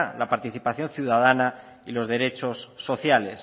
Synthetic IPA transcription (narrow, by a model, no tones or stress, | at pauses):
lapaɾt̪iθipaθjo̞nθjuðaðana | ilo̞zðe̞ɾe̞t͡ʃo̞sːo̞θjale̞s